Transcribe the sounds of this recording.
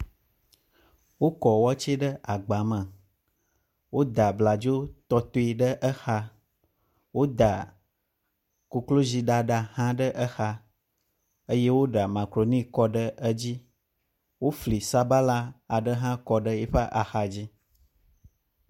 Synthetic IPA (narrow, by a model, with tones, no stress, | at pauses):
wo˦kɔ˨wɔ˦t͡ʃe˦ɖə˦a˨ɡ͡ba˨mə̃˨ | wo˦d̪a˨bla˨d͡ʒo˦t̪ɔ˦t̪o˦i˨ɖə˦ʔə˦xa˦ | wo˦d̪a˨ | ku˨klo˦zi˨ɖa˨ɖa˨hã˦ɖə˦ʔə˦xa˦ | ə˦je˦wo˦ɖa˨mã˨kɾo˨nĩ˦kɔ˦ɖə˦ə˦d͡ʑi˦ | wo˦fli˨sa˦ba˦la˦a˨ɖə˦ɦã˦kɔ˨ɖə˦jɛ˦ɸa˦ʔa˨xa˨d͡ʑi˦